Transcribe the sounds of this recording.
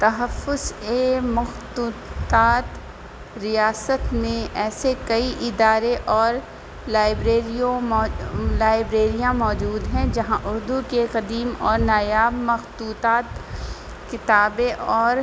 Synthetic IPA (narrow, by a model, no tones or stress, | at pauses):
t̪ɐɦɐfːʊzeːmɐxt̪uːt̪aːt̪ | ɾijaːsət̪mẽʔɛːsekɐiʔɪd̪aːɾeʔɔːɾ | laːɪbɾeːɾijõmːlaːɪbɾeːɾijãmɔːd͡ʒuːd̪ɦɛ̃d͡ʒɐɦãʔʊɾd̪ukeqɐd̪iːmɔːɾnaːjaːbmɐxt̪uːt̪aːt̪ | kɪt̪aːbeʔɔːɾ